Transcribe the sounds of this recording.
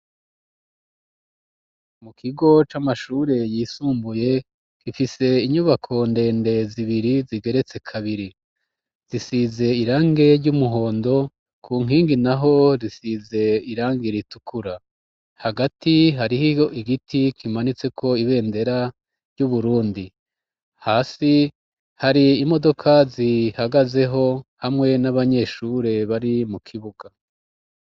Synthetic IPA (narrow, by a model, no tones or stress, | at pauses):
mukʰiɡo̞t͡ʃamaʃuːɾe̞jiːsuːmbuje̞ | kifise̞iɲuβakʰo̞nde̞ːnde̞ziβiɾiziɡe̞ɾe̞t͡se̞kʰaβiɾi | z̥isize̞iɾaːŋɡe̞ɾɟumuɦo̞ːndo̞ | kʰuːŋɦiːŋɡinaɦo̞ɾisize̞iɾaːŋɡiɾitukuɾa | haɡatiɦaɾihioiɡitikʰimanit͡se̞kʰo̞iβe̞ːnde̞ɾa | ɾɟuβuɾuːndi | haːsi | haɾiːmo̞do̞kʰazihaɡaze̞ɦo̞hamŋe̞naβaɲe̞ːʃuɾe̞βaɾimukʰiβuɡ̥a